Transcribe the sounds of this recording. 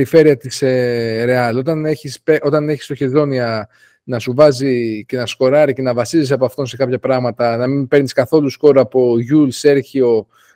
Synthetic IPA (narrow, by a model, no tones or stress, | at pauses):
ɾife̞ɾiɐt̪iseɾe̞ɐlo̞t̪ɐneçispeʔo̞t̪ɐneçi̥st̪o̞çe̞ðo̞niɐ | nɐsuvɐzice̞nɐsko̞ɾɐɾice̞nɐvɐsizisɐpoɐft̪o̞nse̞kɐpçɐpɾɐɣmɐt̪ɐnɐminpe̞ɾniskɐθo̞lusko̞ɾuɐpo̞ʝulse̞ɾçio̞